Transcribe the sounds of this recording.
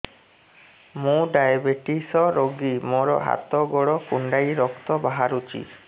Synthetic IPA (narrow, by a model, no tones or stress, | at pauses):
mũɖajabeʈisɔɾoɡimɔɾɔ̰ɦa̰t̪ɔɡɔɽɔkuɳɖajɾɔkt̪ɔbaɦaɾut͡ʃḭ